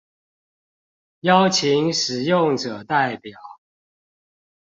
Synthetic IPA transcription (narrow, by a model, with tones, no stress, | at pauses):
jɑ˦ʊt͡ɕʰi˧˦ŋʂɻ̩˨˩jʊ˥˨ŋʈ͡ʂɤ˨˩t̪a˥˩ɪpjɑ˨˩˦ʊ